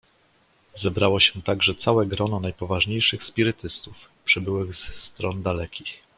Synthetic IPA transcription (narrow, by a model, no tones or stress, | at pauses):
zɛbɾawɔɕɛt̪aɡʐɛt̪sawɛɡɾɔnɔnajpɔvaʐɲejʂɘxspʲiɾɘt̪ɘst̪ufpʂɘbɘwɘɣzst̪ɾɔnd̪alɛkʲix